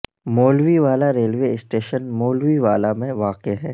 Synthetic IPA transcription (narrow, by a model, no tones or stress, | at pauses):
moːlʋiʋaːlaɾeːlʋeɪsʈeːʃənmoːlʋiʋaːlamẽʋaːqeɦɛː